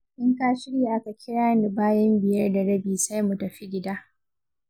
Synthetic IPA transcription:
ʔɪ˦ŋkaː˦ʃɪ˦ɽje˨ʔa˦ka˨kʲʰɪ˦ɽaː˦ni˨baː˦jɐ˦mbɪ˨jɐ˦rda˨ɽɐ˦biː˨sa˦jmu˨tɐ˨ɸi˦ɡʲɪ˦daː˦ʔ

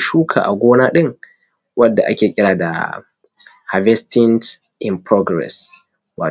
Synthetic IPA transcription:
ʃuː˦kʰa̰ː˨ʔa˨ɡʷoː˦naː˦ɗɪ˦ŋ | wɐ˦dːa̰˨ʔa˦kʲeː˨kʲʼɪ˦ɽaː˨da̰˨ | ha˨vɛ˦stʰɪ˦nt | ʔɪ˨mpɾo˦ɡɾɛ̰˨s | waː˨

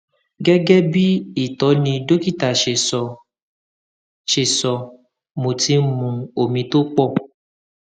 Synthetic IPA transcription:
ɡɛ˦ɡɛ˦bi˦i˦˨tɔ˨˦nĩ˧do˦ki˦˨ta˨ʃe˨sɔ˧ | ʃe˨sɔ˧ | mo˨ti˨˦mũ˧o˨mĩ˧to˦k͡pɔ˦˨

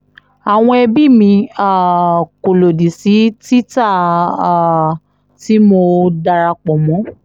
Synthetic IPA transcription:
a˨w̃ɔ̃˧ɛ˧bi˦˨mĩ˧a˦˨ko˨lo˨di˨si˨˦ti˦ta˦˨ | ti˦mo˧da˧ɾa˧k͡pɔ˨mɔ̃˨˦

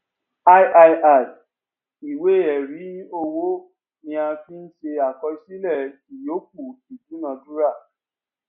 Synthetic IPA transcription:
a˦jʔa˧jʔa˨ | i˨we˦˨ɛ˨ɾi˨˦o˧wo˦ | nĩ˧a˧fi˦n̩˦ʃe˧a˨kɔ˧si˦lɛ˦˨ | i˨jo˨˦k̚u˦˨i˨du˨˦nã˧du˦ɾa˦˨

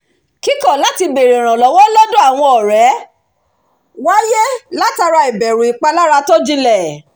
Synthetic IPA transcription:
ki˦kɔ˦˨la˨˦ti˧be˨ɾe˨ɾ̃ã˨lɔ˨˦wɔ˦lɔ˦dũ˦a˦˨w̃ɔ̃˧ɔ˨ɾɛ˨˦ | wa˦je˦la˦ta˧ɾa˧i˨bɛ˨ɾũ˨i˨k͡pa˧la˦ɾa˧to˦d͡ʒi˧lɛ˨

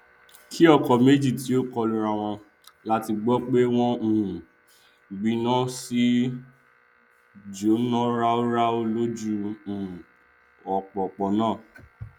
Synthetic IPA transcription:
kʰi˦ɔ˦˨kɔ˨me˦d͡ʒi˦˨ti˨˦o˦kɔ˧lu˧ɾa˧w̃ɔ̃˧ | la˦ti˧ɡ͡bɔ˦k͡pe˦w̃ɔ̃˦˨ | ɡ͡bĩ˧nɔ̃˦si˦ | d͡ʒo˨˦nɔ̃˦ɾa˦o˦ɾa˦o˧lo˦d͡ʒũ˦˨ | ɔ˨k͡pɔ˨k͡pɔ˨nãː˦˨

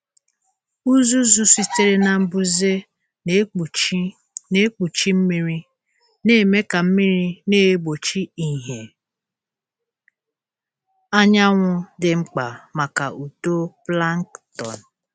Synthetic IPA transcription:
u˦zu˦zu˨si˦te˦ɾe˦na˨m̩˦bu˦ze˦ | k͡pt͡ʃ | ne˦k͡pu˨t͡ʃi˦m̩˦mi˦ɾi˦ | ne˦˨me˦ka˨m̩˦mi˦ɾi˦neː˦bo˨t͡ʃi˦i˨ɦe˨ | a˦ɲa˦ŋʷʊ˦dɪ˨ŋ͡m̩˦k͡pa̰˨ma˨ka˨ʔu˨to˦pla˦ŋ˦ktɔ̰˨n̩˨

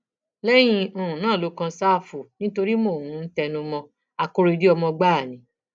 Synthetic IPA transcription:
lɛ˦j̃ĩ˧o˨ũ˨nãː˦˨lo˨˦kã˧sa˦˨fu˨nĩ˦to˧ɾi˦mo˦˨wũ˨˦n̩˦tɛ˧nũ˧mɔ̃˧ | a˧ko˦˧ɾe˧di˦ɔ˧mɔ̃˧ɡ͡ba˦˨nĩ˨˦

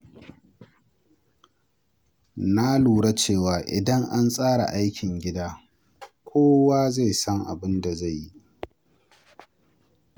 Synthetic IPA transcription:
na˦luː˨ɽa˦t͡ʃeː˦˨waː˨ʔɪ˨dɐ˦ŋʔa˦nsʼaː˦ɽa̰˨ʔa˦jkʲʰɪ˨ŋɡʲɪ˦daː˦ | kʷʰoː˦waː˦za˦˨jsɐ˦ŋʔa̰˨bɪ˦nda˨za˦˨jːi˦

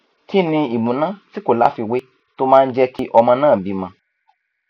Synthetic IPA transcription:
ki˦nĩ˧i˨mũ˨˦nã˦ti˦ko˨la̰˦fi˧we˦ | to˦mãː˦˧n̩˦d͡ʒɛ˦ki˦ʔɔ˧mã˧nãː˦˨bi˧mã˧

